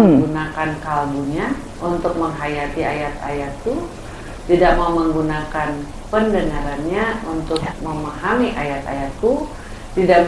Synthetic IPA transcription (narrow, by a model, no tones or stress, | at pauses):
ɡunakankalbuɲa | unt̪ʊk̚məŋɦajat̪ia̰jat̪a̰jat̪̚ku | t̪idaʔmauməŋɡunakan | pəndəŋaɾanɲaunt̪ʊk̚məmaɦamiʔajat̪a̰jat̪̚ku | t̪idaʔ